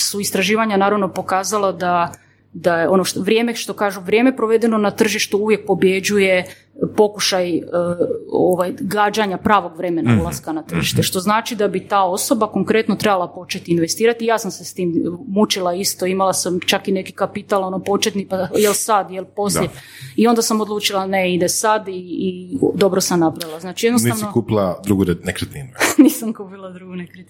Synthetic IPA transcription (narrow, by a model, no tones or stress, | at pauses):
suist̪ɾaʒiːʋaɲanaːɾaʋno̞po̞kaːzalˠad̪a | d̪ajeo̞noʃt̪oʋɾje̞ːmeʃt̪o̞kaːʒuʋɾjeːme̞pɾo̞ʋe̞d̪eno̞nat̪r̩ʒiʃt̪uuʋjek̚po̞bje̞d͡ʑuje̞ | po̞kuʃaj | o̰ʋajɡaːd͡ʒaɲapɾaːʋo̞ɡʋɾe̞me̞na̰ulˠaskanat̪r̩ʒiʃt̪eʃt̪o̞znaːt͡ʃid̪abit̪aːo̞so̞bako̞ŋkɾe̞t̪no̞t̪ɾe̞balˠapo̞t͡ʃet̪iːnʋe̞st̪iːɾat̪ijaːsamse̞st̪iːmmut͡ʃilaist̪o̞imalˠasamt͡ʃakine̞kikapit̪alo̞nopo̞t͡ʃet̪nipajelsad̪jelˠpo̞sʎe | io̞nd̪asamod̪lˠuːt͡ʃilˠaneid̪esad̪iː | d̪o̞bɾo̞samnapɾaʋilˠaznaːt͡ʃije̞d̪noniasnokupilˠad̪ɾuɡuɾenekɾet̪inuniːsamkuːpilˠad̪ɾuɡunekɾet̪